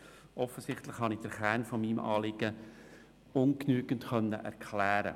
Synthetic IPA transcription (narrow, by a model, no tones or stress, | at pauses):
ʔɔfəsɪχtlɪχhɑnɪd̥əɾχæːɾnfɔmiːmɑ̰ːlɪɡ̥ə | ʊnknyːɡ̥əntχœnːə̰ʔɛ̰ɾkʰlæːɾə̰